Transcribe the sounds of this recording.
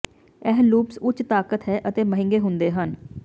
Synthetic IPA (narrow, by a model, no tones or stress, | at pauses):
ɛːɦluːpsʊt͡ʃːt̪aːkət̪ɦɛːʔət̪eːməɦɪ̃ŋɡeːɦʊnd̪eːɦən